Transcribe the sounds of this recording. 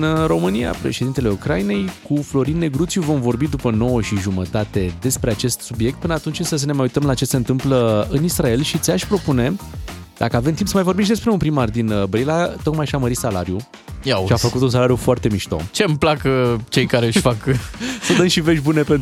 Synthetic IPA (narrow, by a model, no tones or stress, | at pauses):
nro̞mɨnija̰pɾḛʃe̞d̪int̪e̞le̞ukɾajine̞jkuflo̞ɾinːe̞ɡɾut̪sʲjuvo̞mvo̞rbid̪upəno̞wəʃiʒumət̪at̪e̞d̪e̞spɾe̞at͡ʃe̞st̪subije̞k̚t̪̚pɨnəat̪unt͡ʃʲɨnsəs̬əne̞majujt̪əmlat͡ʃe̞se̞ɨnt̪ɨmpləɨnisrae̞lʃit̪sʲaʃʲpɾo̞pune̞ | d̪akəave̞mt̪impsəmajvoɾbimʃd̪e̞s̬pɾe̞unpɾimard̪inbɾilat̪o̞kmajʃaməɾit̪sala̰ɾju | aʃiafəkut̪uns̬alaɾjufoart̪e̞miʃt̪o̞̰t͡ʃe̞mplakət͡ʃe̞jkaɾeɨʃfaksəd̪ənʃive̞ʃʲbune̞pen